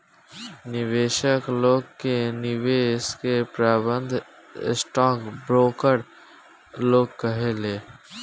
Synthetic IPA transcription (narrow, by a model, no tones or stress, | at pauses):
nɪʋeːʃəkloːɡkenɪʋeːskepɾaːbə̃nd̪ʱ | ɪ̰sʈɔːkbɾoːkəɾ | loːɡ̚kəɦeleː